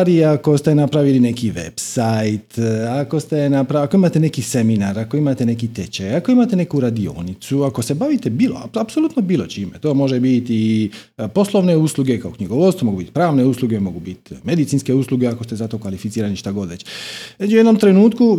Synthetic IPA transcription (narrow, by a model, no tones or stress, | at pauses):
ɾiako̞st̪e̞napɾaʋiline̞kiʋḛbsajt̪ako̞st̪e̞napɾaako̞imaːt̪ene̞kise̞minaɾako̞imaːt̪ene̞kit̪et͡ɕejako̞imat̪ene̞kuɾad̪io̞̰nit̪suako̞sebaʋit̪e̞biːlo̰apsolut̪nobiːlˠo̞t͡ɕiːmḛt̪o̞ːmo̞ʒebit̪ipo̞sloʋne̞uːsluɡe̞kaokɲiɡoʋot̪somoɡuːbit̪pɾaːʋne̞usluɡemo̞ɡubit̪me̞d̪it̪sinske̞usluɡeako̞st̪e̞zat̪o̞kʋalifit̪iːɾaniʃt̪aɡo̞d̪ʋet͡ɕet͡ʃujed̪no̞mt̪ɾenuːt̪ku